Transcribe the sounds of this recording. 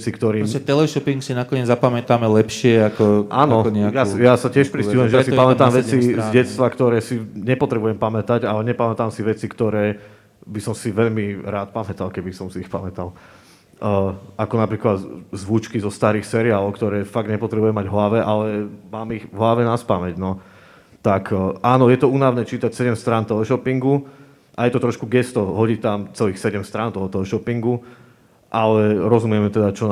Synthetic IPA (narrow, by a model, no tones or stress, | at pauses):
t͡sikt̪ɔɾiːmɛt̪ɛlɛʃɔpiŋksinakɔɲɛd͡zzapamɛt̪aːmɛlɛpʃɪɛakɔʔanɔɔɲɛakjajasacɪɛʃpɾisiɦujɛmʒɛaasipamɛt̪aːmʋɛt͡sizɟɛt̪st̪ʋakt̪ɔɾɛːsiɲɛpɔt̪ɾɛbujɛmpamɛt̪aɟalɛɲɛpamɛt̪aːmsiʋɛt͡sikt̪ɔɾɛː | bisɔmsiʋɛʎmiɾaːt̪̚pamɛt̪alkɛbisɔmsiːxpamɛt̪alː | akɔnapɾiːklad̪zʋuːt͡ʃkizɔst̪aːɾiːxsɛɾiaːlɔʊkt̪ɔɾɛːfaɡ̚ɲɛpɔt̪ɾɛbujɛmaɟɦlaʋɛʔalɛmaːmiɣʋɦlaʋɛnaspamɛɟnɔ | t̪akʔaːnɔjɛt̪ɔuːnaʋnɛːt͡ʃiːt̪acsɛɟɛmst̪ɾaːnt̪ɔɦɔʃɔpiŋɡu | ʔajɛt̪ɔt̪ɾɔʃkuɡɛst̪ɔɦɔɟiːt̪amt͡sɛliːxsɛɟɛmst̪ɾaːnt̪ɔɦɔt̪ɔɦɔʃɔpiŋɡu | ʔalɛɾɔzumɪɛmɛt̪ɛd̪at͡ʃɔ